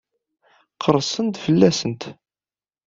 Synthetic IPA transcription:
qʰəɾˤsˤənt̪fəlːæsənt̪

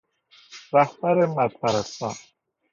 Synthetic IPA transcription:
ɾæhbæɾemæd̪̚pʰæɾæst̪ɑːn

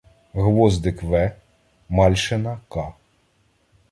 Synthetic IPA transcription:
ɣʋɔzd̪ɪkʋɛ | mɑlʲʃenɐkɑ

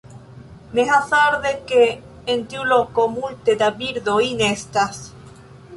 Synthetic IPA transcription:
meɦaθaɾðekeː | nt̪julokomult̪ed̪abiɾðoinest̪as

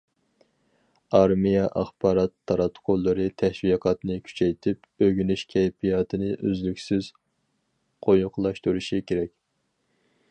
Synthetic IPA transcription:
ɑɾmijɛʔɑχbɑːɾɑt̪ʰːɑɾɑt̪ʰːqʰolˠːɨɾɨt̪ʰɛʃwiqʰɑt̪nɨkʲʰy̥t͡ʃʰɛjt̪ʰɪp | øɡʲynyʃkʲʰɛjpʰijɑːt̪ʰɨnɨʔøzlykʲsɪz̥ | qʰojʊqlˠɑʃt̪uɾuʃikʲʰeɾɛkʲ

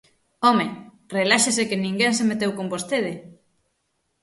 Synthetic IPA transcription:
ɔme | relaʃesekenĩŋɡɛnsemet̪ewkombost̪eð̞ɪ

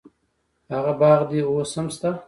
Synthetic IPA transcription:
haɣabɑːʁd̪iosəmst̪a

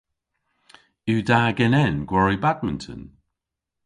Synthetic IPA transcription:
ʉːdaːɡɛnɛnɡ̥wɔɹibad̚mɪ̃ntʰə̰n

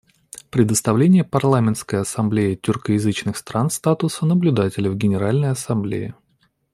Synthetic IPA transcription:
pɾʲɪd̪əst̪ɐvlʲenʲɪjəpɐrlˠamʲɪnt̪skəjəɐsɐmblʲejɪtʲʏrkəjɪzɨt͡ɕnɨxst̪ɾanst̪at̪ʊsənəblʲʉd̪atʲɪlʲəvɡʲɪnʲɪɾalʲnəjɐsɐmblʲḛjɪ̰

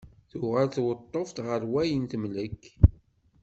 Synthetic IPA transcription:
θʊʁælθwət̪ˤːoft̪ʁəɾwæjənt̪əmləkː

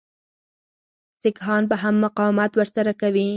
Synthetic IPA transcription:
sɪkɦɑnpəɦamːaqɑwmat̪wəɾsaɾakawi

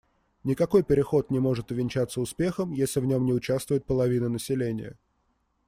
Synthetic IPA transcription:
nʲɪkɐko̞jpʲɪɾʲɪxo̞t̪nʲɪmo̞ʐɨt̪ʊvʲɪnʲt͡ɕat̪səʊspʲe̞xəmjesʲlʲɪvnʲo̞mnʲɪʊt͡ɕast̪vʊjɪt̪̚pəlˠɐvʲinənəsʲɪlʲenʲɪ̰jə̰

